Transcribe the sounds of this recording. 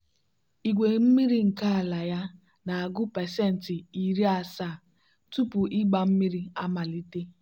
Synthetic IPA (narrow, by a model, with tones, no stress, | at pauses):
i˨ɡʷe˨m̩˦mi˦ɾi˦ŋ̩˨ka˦a˨la˨ja˦ | na˨a˨ɡʊ˦pɛ˨sɛ˦˨n̩˨tɪ˨i˨ɾi˦a˨saː˦˨ | tu˦pʊ˨ʔɪ˦ɡ͡ba˨m̩˦mi˦ɾi˦a˦ma˨li˦te˦